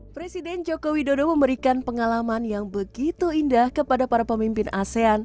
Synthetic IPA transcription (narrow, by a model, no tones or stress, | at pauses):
pɾesidɛnd͡ʒokowidodoməməɾikanpəŋalamanjaŋbəɡit̪uindahkəpadapaɾapəmimpɪnʔasean